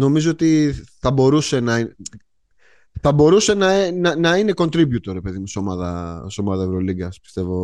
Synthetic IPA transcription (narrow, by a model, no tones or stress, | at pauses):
no̞mizoot̪iθɐbo̞ɾuse̞nɐi | θɐbo̞ɾuse̞nɐnɐnɐine̞ko̞nt̪ɾibjut̪oɾe̞pe̞ðimuseomɐðɐso̞mɐðɐevɾoliɡɐspi̥st̪e̞vo̞